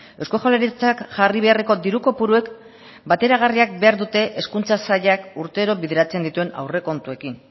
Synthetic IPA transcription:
ewsko̞xaleɾit͡sakʝariβ̞e̞areko̞d̪iɾuko̞puɾue̞k | bat̪e̞ɾaɣ̞ariak̚be̞aɾðut̪e̞ʔeskunt͡sasaʎakuɾt̪e̞ɾo̞βiðeɾat͡se̞nd̪it̪ue̞na̰wre̞ko̞nt̪ue̞kin

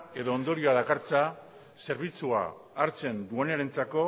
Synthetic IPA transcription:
e̞ðo̞ːnd̪o̞ɾioalakaɾt͡sa | se̞ɾβit͡sua̰ː | ɾt͡se̞nd̪ue̞neɾe̞nt͡sako̞

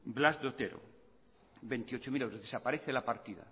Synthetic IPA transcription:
blazd̪ot̪eɾo̰ | be̞nt̪iot͡ʃomilewɾozðesapaɾeθelapaɾt̪iða̰

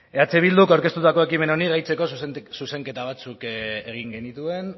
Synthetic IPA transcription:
eat͡seβ̞ild̪ukawɾke̞st̪ut̪ako̞e̞kime̞naonirajt͡se̞ko̞ssuse̞ŋke̞t̪aβ̞at͡sukeɣ̞iŋɡe̞nit̪ue̞n

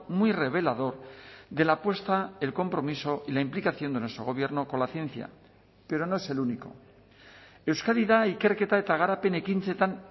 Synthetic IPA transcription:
mwijre̞β̞e̞lað̞o̞ɾðe̞lapwe̞st̪aelko̞mpɾo̞miso̞ʔilaimplikaθjo̞nd̪enwe̞st̪ɾoo̞β̞je̞ɾno̞ko̞nlaθjẽ̞n̟θja̰ | pe̞ɾo̞no̞e̞se̞luniko̞̰ | ewskaðiðaike̞ɾket̪aet̪aɣaɾapene̞kint͡set̪an

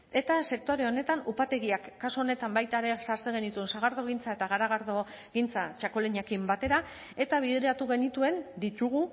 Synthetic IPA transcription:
e̞t̪ase̞k̚t̪o̞ɾe̞o̞ne̞t̪anupat̪e̞ɣiakːasuo̞ne̞t̪ambajt̪aɾe̞saɾt͡seɣe̞nit̪ue̞nsaɣ̞aɾðo̞ɣ̞int͡sae̞t̪aɣ̞aɾaɣ̞aɾðo̞ | ɣint͡sat͡ʃako̞leɲakimbat̪e̞ɾa | e̞t̪aβ̞iðɾeɾat̪uɣe̞nit̪ue̞nd̪it̪uɣ̞u

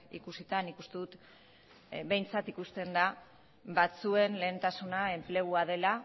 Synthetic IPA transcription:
ḭkusit̪anikust̪e̞ðut̪ | βe̞jnt͡sat̪ikust̪e̞nd̪a | bat͡sue̞nle̞ːnt̪asunae̞mple̞ɣ̞uað̞e̞la

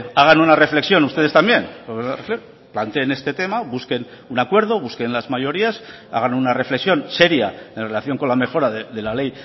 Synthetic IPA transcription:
aɣ̞anunare̞fle̞ksjo̞nust̪e̞ð̞e̞st̪ambje̞noarefle | plant̪e̞ːne̞st̪e̞t̪e̞maβuske̞n | unakwe̞ɾð̞o̞βuske̞nlazmajo̞ɾias | a̰ɣ̞anunare̞fleksjo̞nse̞ɾjae̞nrelaθjo̞ŋko̞nlame̞xo̞ɾaðeðe̞lale̞j

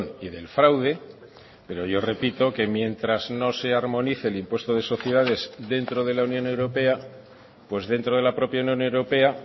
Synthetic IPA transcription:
niðe̞lfɾawð̞e̞ | pe̞ɾo̞ʝo̞re̞pit̪o̞ke̞mje̞nt̪ɾazno̞se̞aɾmõ̞niθe̞ːlimpwest̪oð̞e̞so̞θjeðað̞e̞zðe̞nt̪ɾo̞ð̞e̞launjo̞ne̞wɾo̞pe̞a | pwe̞zðe̞nt̪ɾoð̞e̞lapɾo̞pjaunjõ̞ne̞wɾo̞pe̞a

